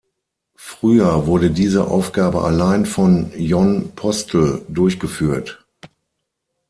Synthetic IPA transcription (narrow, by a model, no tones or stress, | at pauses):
fʁ̥yːɐvʊɐɾədiːzə̰ʔa̰ʊfɡ̥aːbəʔa̰laɪnfɔnjɔnpʰɔstʰl̩dʊɐçɡ̥əfyːɐt